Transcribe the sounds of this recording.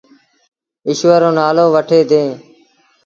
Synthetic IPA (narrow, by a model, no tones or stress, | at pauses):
ɪʃʋəɾõːnaːlõːʋəʈʰeːd̪ẽː